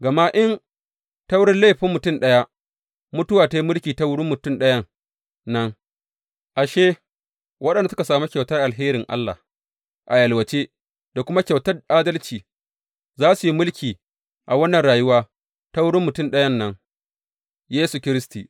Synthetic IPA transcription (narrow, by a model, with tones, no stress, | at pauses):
ɡɐ˨ma˦ʔɪ˦n | ta˦wʊ˦ɽɪ˦nle˦˨ɸɪ˦mːʊ˨tʊ˦˨mɗɐ˦ja˦ | mʊ˦tʊ˦waː˨ta˨ji˦mʊ˦lkʲiː˨ta˦wʊ˦ɽɪ˦mːʊ˨tʊ˦mɗɐ˦jɐ˦ | nɐ˦ŋ | ʔa˨ʃeː˦ | wɐ˦ɗɐ˨nda˨sʊ˦ka˨saː˨mu˦kʲa˨wtɐ˦rʔa˨lɦeː˦ɾɪ˨ŋʔa̰˦lːa̰˨h | ʔa˨jɐ˨lwɐ˨t͡ʃeː˦ | d̥a˨kʷʊ˦ma˦kʲa˨wtɐ˦rʔaː˦dɐ˦lt͡ʃiː˨ | zaː˦su˨ji˦mʊ˦lkʲiː˨ | ʔa˨wɐ˦nːɐ˨nɽaː˨jʊ˦waː˦ | ta˦wʊ˦ɽɪ˦mːʊ˨tʊ˦˨mɗɐ˦jɐ˦nːɐ˦ŋ | jeː˦su˨kʲɪ˦ɾɪ˦stiː˨